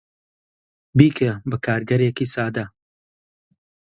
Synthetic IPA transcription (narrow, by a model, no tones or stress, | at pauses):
biːkʰebɐkʰaːɾɡɐɾeːkiːsaːd̪ɐ